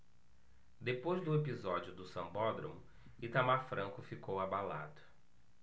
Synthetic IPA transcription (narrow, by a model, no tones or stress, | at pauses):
d̪epojzd̪ʊepizɔd͡ʒʊd̪ʊsɐ̃bɔd̪ɾõmʊ | it̪amafɾʔɐ̃kʊfikowabala̰d̪ʊ